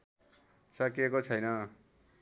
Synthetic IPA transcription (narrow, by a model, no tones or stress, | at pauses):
sakekot͡sʰʌjnʌ